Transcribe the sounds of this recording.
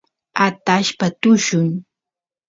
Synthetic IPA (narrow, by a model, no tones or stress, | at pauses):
at̪aʃpat̪ʊʃʊŋ